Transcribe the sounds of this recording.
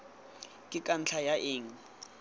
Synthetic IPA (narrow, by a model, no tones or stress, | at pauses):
kʼɪkʼan̩t͡ɬʰajaʔɪːŋ̩